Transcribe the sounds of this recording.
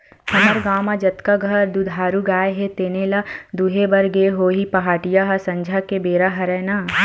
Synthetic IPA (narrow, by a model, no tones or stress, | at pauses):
hɐnəɾɡaːmad͡ʒɐt̪kaɡʱɐɾd̪ud̪ʱaːɾuɡaːeɦet̪eːneːlad̪uɦebɐɾɡeːɦoːɦipɐɦaːʈijaɦɐsɐ̃ɲd͡ʒʱakebeːɾaɦɐɾɛːnaː